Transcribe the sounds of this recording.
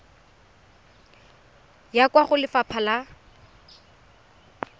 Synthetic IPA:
jakwaχʊlɪfapʰala

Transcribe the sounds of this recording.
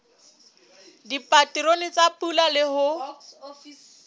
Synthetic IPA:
dipʼatiɾonɪt͡sʼapulalɪhʊ

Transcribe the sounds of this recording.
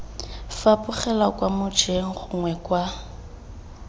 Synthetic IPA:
fapʼʊχɛlakʼwamʊt͡ʃʼeŋ̩χʊŋwɛkʼwa

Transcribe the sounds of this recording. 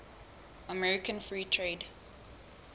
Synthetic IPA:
əmɛɹɪkə̃nfɹiːtʰɹeːd

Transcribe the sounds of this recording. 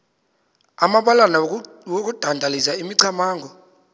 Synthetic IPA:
amaɓalana | wok̬ud̥ʱandʱalisaimiǀʰamaːŋɡʱɔ

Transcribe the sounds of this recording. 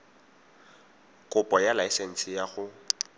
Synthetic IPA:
kʼʊpʼɔjalaisɛn̩sɪjaɣʊ

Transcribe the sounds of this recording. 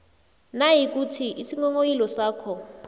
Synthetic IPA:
najik̬ʼutʰiʔisiŋɔŋojilɔsaːkʰɔ

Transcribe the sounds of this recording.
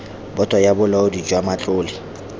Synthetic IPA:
bɔtʼajabʊlaʊdid͡ʒwamat͡ɬʼʊːlɪ

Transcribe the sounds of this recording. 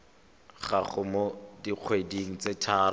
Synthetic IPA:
χaχʊmodiq͡χʰwediŋ̩t͡setʰaːr

